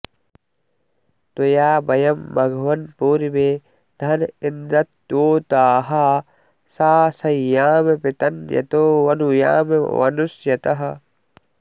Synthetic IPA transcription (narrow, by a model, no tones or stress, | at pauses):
t̪ojaːbɐjɐmːɐɡʱʋɐnpuːɾimeː | d̪̥ʱɐnind̪ɐt̪ːoːt̪aːɦɐ | saːsɐjaːmepit̪ɐnjɐ̰t̪oːʋɐnuja̰ːmeʋɐ̰nusjɐt̪ɐɦɐ̆